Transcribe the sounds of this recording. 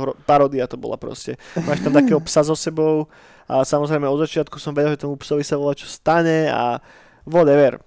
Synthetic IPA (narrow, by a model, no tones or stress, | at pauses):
ɾɔpaɾɔːd̪iat̪ɔbɔ̰la̰pɾɔ̰scɛmaːʃt̪amt̪akɛːɦɔpsazɔsɛbɔʊ | asamɔzɾɛɪmɛɔd̪zat͡ʃɪat̪̚kusɔmʋɛɟɛlˠʒɛt̪ɔmupsɔʋisaʋɔlat͡ʃɔ̥st̪aɲɛa̰ | ʋɔd̪ɛʋɛɾ